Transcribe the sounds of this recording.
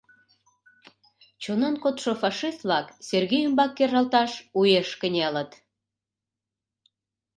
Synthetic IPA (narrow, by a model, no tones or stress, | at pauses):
t͡ɕonɑnkot̪ʃofɑʃist̪̚βlɑkserɣejumbɑkːerːɑlt̪ɑʃujeʃkənʲelət̪